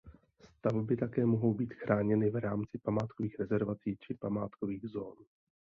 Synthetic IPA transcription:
st̪avbɪt̪akɛːmoɦo̞wbiːt̪xɾaːɲɛnɪvɾaːmt͡sɪpamaːt̪koviːxɾɛzɛɾvat͡siːt͡ʃɪpama̰ːt̪koviːɣzo̞ːn

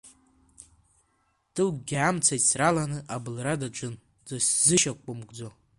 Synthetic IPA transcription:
d̥ɨlɡɡʲamt͡sʰajsralanɨʔabɨlradad͡ʒʷʼʊn | d͡zoszɨʃakʷʼʊmɡd͡zo

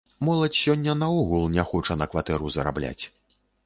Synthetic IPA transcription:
mɔlˠɐt͡sʲsʲɔnʲːɐnɐɔɣulˠnʲaxɔt͡ʂɐnɐkvat̪ɛɾuzɐɾa̰blʲa̰t͡sʲ

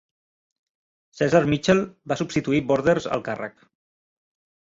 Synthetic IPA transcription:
sɛzaɾmit͡ʃɛlˠbasubst̪it̪uibɔɾðeɾzə̰lˠkarə̰k

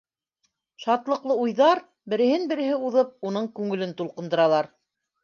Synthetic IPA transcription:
ʃɑt̪lˠɤ̆qlˠɤujðɑɾ | bɘ̆ɾɘ̆hɘnbɘ̆ɾɘ̆ɦɘuðɤp̚unɤɴkʉŋɘ̆lɘnt̪ulˠqɤ̆nd̪ɤ̆ɾɑlˠɑɾ

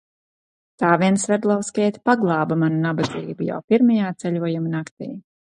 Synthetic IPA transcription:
t̪aːviɛnsvɛɾd̪lˠɔwskʲɛːt̪ʲpaɡlˠɑːbamanunabad̪ziːbuja̰wpʲiɾmajaːt̪sɛlʲuɔjumnakt̪ḭː

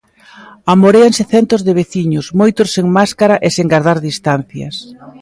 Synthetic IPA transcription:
amoɾeaŋsɪθɛnt̪ʊzðɪβ̞eθiɲʊsmojt̪ʊsːeŋmaskaɾaʔeseŋɡaɾðaɾðist̪an̟θjɐ̰s

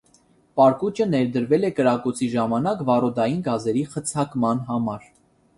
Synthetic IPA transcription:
pɑɾkut͡ʃənɛɾd̪əɾvɛlɛkəɾɑkɔt͡sʰiʒɑmɑnɑkvɑrɔd̪ɑjinɡɑzɛɾiχət͡sʰɑkmɑnɦɑmɑɾ

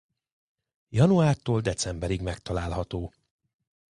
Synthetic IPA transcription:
jɒnuaːrt̪oːld̪ɛt̪sɛmbɛɾiɡmɛkt̪ɒlaːlɦɒt̪oː

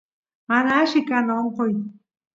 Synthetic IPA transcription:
manaʃɪkanoɴqoj

